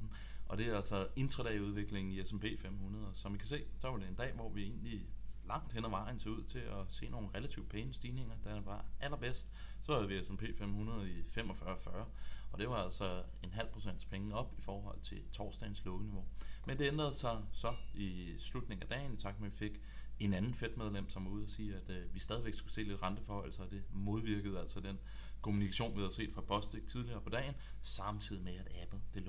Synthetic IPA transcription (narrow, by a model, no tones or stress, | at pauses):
n̩ | ʔɒ̽d̥e̝ælsɒe̝nd̥ʁɐd̥ɛ̰ɪuð̞ˠʋe̝ɡ̥le̝ŋn̩iesempʰe̝̰ːfem̰hunɐð̞ˠɐsɒmʋikʰæs̬e̝̰ːsɒ̽ʋɑ̈ɾe̝end̥ɛ̰ːʋɒʋie̝ːnlilɑ̈ŋ̰d̥henɐʋɑ̈ɪn̩seuð̞̰ˠt͡sʰe̝ɒse̝̰ːno̝ːn̩ʁelæt͡sʰiʊ̥pʰeːnəsd̥iːne̝ŋ̰ɐd̥æʋɑ̈ʔælɐb̥esd̥sɒ̽hæðˠʋiesempʰe̝̰ːfem̰hunɐð̞ˠɐifem̰ɒ̽fɶːɐfɶːɐɒ̽d̥e̝ʋɑ̈ælsɒ | e̝nɦæl̰pʰʁo̝sen̰d̥spʰeŋəɒ̽b̥ifɒːɦɒ̽l̰t͡sʰe̝t͡sʰɒːsd̥æ̰ɪnslɔ̽ɡ̥əniʋo̝mend̥e̝end̥ʁɐð̞̩ˠsɑ̈ɪsɒ̽i | slud̥̚ne̝ŋ̩æd̥ɛ̰ːnit͡sʰɑ̈ɡ̥̚meʋife̝ɡ̥ | e̝nænn̩fed̥með̞ˠlem̰sɒ̽muð̰ˠɐsiːæd̥ʋisd̥ɛːðˠiʋeɡ̥sɡ̥use̝̰ːle̝d̥ʁɑ̈nd̥əfɒhɒ̽ɪl̩sɐɒ̽d̥e̝mo̝ð̞ˠʋiɐɡ̥əð̞̩ˠæl̰sɒ̽d̥en | kʰo̝munikʰæɕo̝̰ːnʋihæðɐse̝̰ːd̥fʁɑ̈b̥ʰɒ̽sd̥eɡ̥̚t͡sʰiðˠliɐːpʰɒ̽d̥ɛ̰ːɪn̩sɑ̈mt͡sʰið̰ˠimeæd̥æb̥l̩ˠd̥e̝l